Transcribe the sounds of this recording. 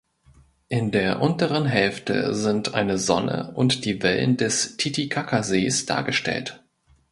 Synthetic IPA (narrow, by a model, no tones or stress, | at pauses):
ʔɪndeːɐʔʊntəʁ̞ənɦɛlftə̰zɪntʔa̰ɪnəzɔnə̰ʔʊntd̥iːvɛlə̰ndɛstʰitikʰakʰazeːsd̥a̰ːɐɡəʃtʰɛ̰lt